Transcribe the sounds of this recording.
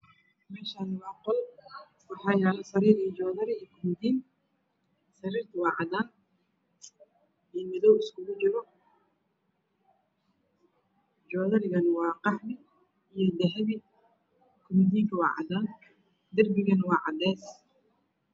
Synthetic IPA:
mɛːʃaːnwɑːqɔl | fɑħɑːjɛːlɐsɐɾiːɾijd͡ʒɔːðɐɾɪkʰʊmɪd̪iːn | sɐɾiːrt̪ʰɐwɑːʕɑd̪aːn | imɪðɔwɪskʰʊɣʊt͡ʃɔɣɔ | d͡ʒɔːðɐɾɪɣɐnwɑːqɑħmɪ | ijɔd̪ɛɦɛβɪ | kʰʊmɪd̪iːŋkʰɐwɑːʕɑ̰d̪aːn | d̪ɐrbɪɣɐnwɑːʕɑ̰d̪ɛːs

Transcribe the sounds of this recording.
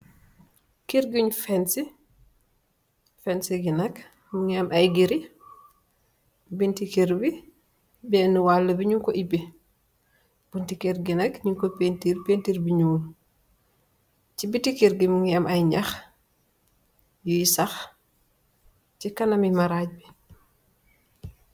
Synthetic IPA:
kiɾɡuɲfɛnsi | fɛnsiɡinɐk | muŋiɐmɐjɡiɾi | bintikiɾbi | bɛnuwalːɐbiɲuŋkɔʔibi | b̥untikeɾɡinɐkɲuŋkopentiɾpentiɾbiɲuŋu | t͡ʃibitikiɾɡimuŋiɐmʔɐjɲax | jujisax | t͡ʃikɐnɐmimaɾaːɟ̚bi

